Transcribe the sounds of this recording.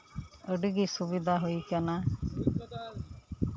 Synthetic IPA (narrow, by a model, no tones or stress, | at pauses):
əɖɡisubid̪ʱaɦuikana